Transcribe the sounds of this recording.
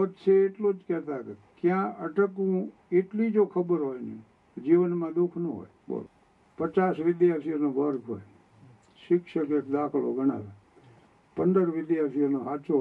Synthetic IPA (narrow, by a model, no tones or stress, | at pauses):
pət̪ʃʰeːʈlod͡ʒkɛt̪akekjãəʈəkũeʈlid͡ʒokʰəbəɾɦojnḛ | d͡ʒiʋənmãd̪ukʰnəɦo̰ːj̰ | pət͡ʃasʋɪd̪jaɾpijonoʋəɾɡʱɦo̰j | ʃɪkʃəkekd̪akʰlo̰ɡʱəɽ̃a̰ʋe | pənd̪əɾʋɪd̪jaɾt̪ʰionoɦat͡ʃo